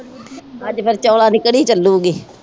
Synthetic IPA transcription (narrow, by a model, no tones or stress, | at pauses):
əd͡ʒpʰɪɾt͡ʃɔːlãːnɪkɽiːt͡ʃəlːũːɡiː